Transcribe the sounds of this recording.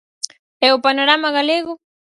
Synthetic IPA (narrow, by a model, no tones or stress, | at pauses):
ɛʊpanoɾamaɣaleɣo